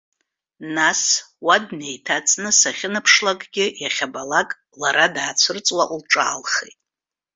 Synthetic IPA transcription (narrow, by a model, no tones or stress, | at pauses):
naswadne̞jtʰat͡sʼnɨsaχʲɪnɨpʰʂlakʼɡʲɪjaχʲabalakʼ | laɾadaːt͡sʷʰɨrt͡sʼwaʔulʈ͡ʂʼa̰ːlχḛjtʼ